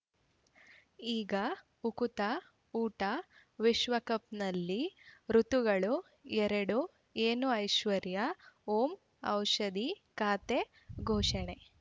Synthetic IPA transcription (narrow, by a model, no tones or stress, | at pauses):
iːɡɐ | ukut̪ɐ | uːʈɐ | ʋiʃʋɐkɐp̚nɐlːiɾut̪uɡɐɭu | ɛɾɐɽu | eːnuɐjʃʋɐɾjɐoːm | ɐ̰wʃɐd̪i | kaːt̪e | ɡʱoːʂɐɳe